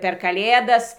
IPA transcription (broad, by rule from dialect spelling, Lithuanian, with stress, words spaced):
pʲɛr kɐˈlʲeːdɐs